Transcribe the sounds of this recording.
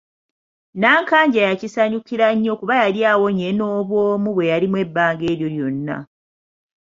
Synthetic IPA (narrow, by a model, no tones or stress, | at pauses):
naːŋkaːɲɟajacisaɲukiɾaɲːo̞kuβajaɾjaːwo̞ɲeno̞ːβwoːmuβwe̞jaɾimwe̞bːaːŋɡe̞ːɾjo̞ljo̞nːa̰